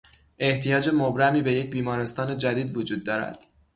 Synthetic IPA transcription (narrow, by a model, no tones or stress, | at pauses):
ʔe̞ht̪ʰijɒːd͡ʒe̞mobɾæmiːbe̞jec̚biːmɒːɾe̞st̪ɒːne̞d͡ʒæd̪iːd̪vod͡ʒuːd̪̚ːɒːɾæ̰d̪̥